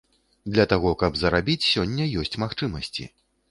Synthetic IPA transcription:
d̪lʲɐt̪aɣɔkɐbzɐɾabʲit͡sʲsʲɔnʲːɐjɔsʲt͡sʲmaxt͡ʂɨmɐsʲt͡sʲḭ

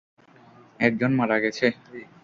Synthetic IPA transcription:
ɛk̚d͡ʑonmaɾaɡet͡ɕʰe

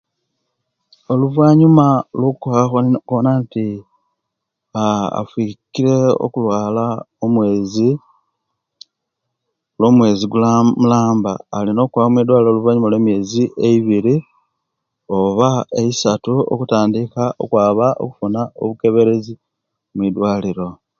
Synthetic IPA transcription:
o̞luvwaːɲumalokkoxaxokonanti | aa̰fwikiɾe̞o̞̰kulwaːlaomwe̞ːzi | loːmwe̞ːziɡulamulaːmbaːlino̞ːkwaβamwid̪waːliɾo̞luvaːɲumalwemje̞ːziʔeiβiɾi | oβaeisatuo̰kutaːndikaʔo̞̰kwaːβaʔo̞̰ku̥funao̰βuke̞βe̞ɾe̞zi | mwid̪waːliɾo̞

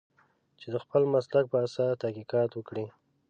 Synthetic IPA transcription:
t͡ʃed̪əxpəlmaslak̚pəasɑt̪ahkiqɑt̪wəkɽi

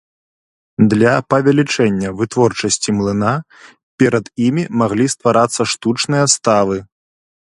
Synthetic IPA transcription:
d̪lʲɐpɐvʲalʲit͡ʂɛnʲːɐvɨt̪vɔrt͡ʂɐsʲt͡sʲimlˠɨna | pʲɛɾɐd̪imʲimaɣlʲist̪vaɾat̪sːɐʂt̪ut͡ʂnɨjɐst̪avɨ

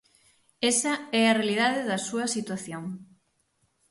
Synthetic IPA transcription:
esɐɛɐrealið̞aðeðɐsuɐsit̪waθjoŋ

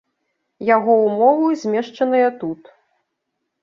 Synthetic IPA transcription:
jaɣɔumɔvɨzʲmʲɛʂt͡ʂɐnɐjɐt̪ut̪

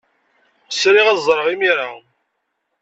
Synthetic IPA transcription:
sɾɪʁæzˤɾˤəʁimiɾa

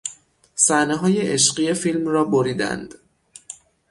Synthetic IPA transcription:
sæneɦɒːje̞ʔeʃɢije̞fiːlmrɒːboɾiːd̪æ̰nd̪̥

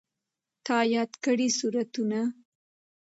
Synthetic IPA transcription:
t̪ɑjɑd̪kəɽisuɾat̪una

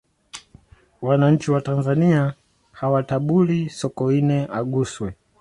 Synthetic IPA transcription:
wanaɲ̩t͡ʃiwatanzania | hawataɓulisɔkɔinɛʔaɠuswɛ

